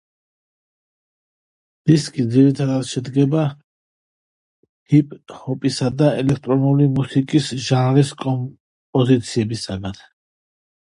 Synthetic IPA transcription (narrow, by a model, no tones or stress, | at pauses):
d̪̥iskʼid̪ziɾit̪ʰad̪at̪ʃɛd̪ɡɛba | hipʼhɔpʼisad̪aɛlɛkʰt̪ʼɾɔnulimusikʼisʒanɾiskʼɔm | pʼɔzit̪sʰiɛbisaɡat̪